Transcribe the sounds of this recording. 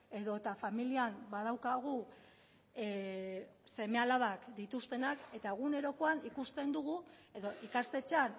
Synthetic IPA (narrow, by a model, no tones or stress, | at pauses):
e̞ðo̞t̪afamiliambað̞awkaɣ̞u | se̞me̞alaβakd̪it̪ust̪e̞nake̞t̪aeɣ̞une̞ɾo̞koanikust̪e̞nd̪uɣ̞ue̞ðo̞ʔikast̪e̞t͡ʃan